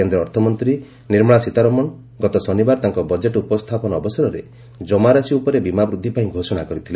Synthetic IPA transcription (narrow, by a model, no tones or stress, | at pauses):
end̪ɾɔɔɾt̪ʰɔmɔnt̪ɾi | niɾmɔɭasit̪aɾɔmɔɳ | ɡɔt̪ɔsɔnibaɾt̪aŋkɔbɔd͡ʒeʈupɔst̪ʰapɔnɔɔbɔsɔɾɔɾe | d͡ʒɔmaɾasiupɔɾebimabɾud̪ʱːipaĩɡʱosɔɽ̃akɔɾit̪ʰile